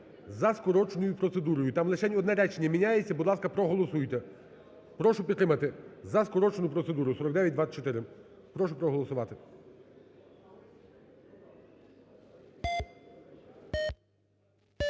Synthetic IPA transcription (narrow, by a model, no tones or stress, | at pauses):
zɐskɔɾɔt͡ʃnɔjʊpɾɔt̪sed̪uɾɔjʊt̪ɑmlˠet͡ʃɛnʲɔd̪nɛɾɛt͡ʃenʲːɐmʲinʲajet͡sʲːɐbud̪lˠɑskɐpɾɔɦɔlˠɔsujt̪ɛ | pɾɔʃʊpʲid̪t̪ɾɪmɐt̪ɪzɐskɔɾɔt͡ʃnʊpɾɔt̪se̞d̪uɾʊsɔɾɔkd̪ɛʋʲjɐt̚ʲd̪ʋat͡ʃɔt̪ɪɾɪ | pɾɔʃʊpɾɔɦɔlˠɔsʊʋɑt̪ɪ